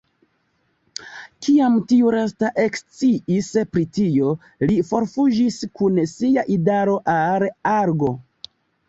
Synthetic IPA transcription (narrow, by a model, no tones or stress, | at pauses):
kʰiamtiuɾestaʔe̞kst͡siispɾitio̞ | lifo̞ɾfud͡ʒiskunsiaʔidaɾo̞ʔalaɾɡo̞